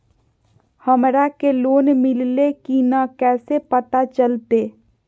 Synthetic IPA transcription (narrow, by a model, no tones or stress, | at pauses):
həmɾakeloːnmɪllekinakɛːsepət̪at͡ʃəlt̪eː